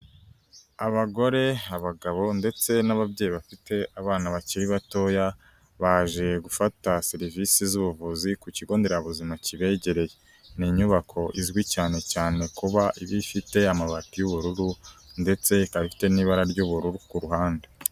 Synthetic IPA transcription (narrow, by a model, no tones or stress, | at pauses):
aβaɡo̞ɾe̞aβaɡaβo̞nde̞t͡se̞naβabɟe̞ːjiβafite̞aβaːnaβaciɾiβato̞ːja | βaːʒe̞ɡufataseɾivisizuβuvuzikuciɡo̞ːnde̞ɾaβuzimaciβe̞ɟe̞ɾe̞je̞ | niːɲuβakʰo̞ʔizɡwicaːne̞caːne̞kuβaʔiβifite̞amaβatijuβuɾuɾunde̞t͡se̞kaβifi̥te̞niːβaɾaɾɟuβuɾuɾukuɾuɦaːnde